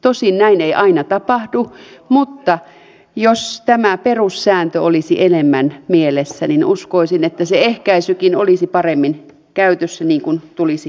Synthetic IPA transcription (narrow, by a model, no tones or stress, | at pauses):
t̪osinnæineiʔɑinɑt̪ɑpɑhdumut̪ːɑ | jost̪æmæperussæːnt̪øolisiʔenemːænmielesːæninuskoisinet̪ːæseehkæisykinolisipɑremːin | kæyt̪øsːæniːŋkunt̪ulisi